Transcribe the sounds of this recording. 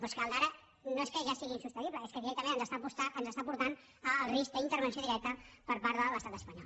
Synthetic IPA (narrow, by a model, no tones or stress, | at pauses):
pɔskald̪aɾə | noeskəʒasiɣiːnsust̪əniβləeskəðiɾɛkt̪əmẽnənzəst̪apust̪aʔənzəst̪apuɾt̪an | əːlˠrisk̚d̪əint̪əɾβənsjoðiɾɛk̚t̪əpəɾpaɾðələst̪at̪əspəɲɔ̰l